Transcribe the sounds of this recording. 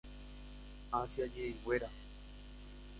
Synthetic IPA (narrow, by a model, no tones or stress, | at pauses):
asjajeweɾa